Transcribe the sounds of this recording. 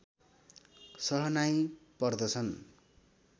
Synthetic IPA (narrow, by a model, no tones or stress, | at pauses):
sʌɦʌnajpʌrd̪ʌt͡sʰʌn